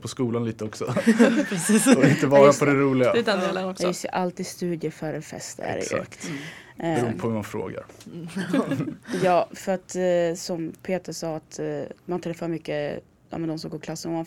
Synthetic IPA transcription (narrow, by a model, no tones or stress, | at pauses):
pʰɔskuːlanliːt̪əɔksɔpɾɛsiːɔɪnt̪əvɑːɾapʰɔd̪ɛɾuːlɪɡadd̪ɛnelanɔkjɪsʔalt̪ɪst̪ʉ̟ːd̪jəfœɾɛnfɛ̰st̪æ̰ɾ̰jsø̰kt̪ | bɾuːnəpʰɔhʉmanfɾo̰ːɡa̰ɾ | jɑːfœɾat̪sɔmpʰeːt̪əʂɑːat̪mant̪ʰɾɛfːœɾmʏkːə | jɑ̰ːmɛnd̪ɔmsɔmɡoːpɔkʰlasːənɔman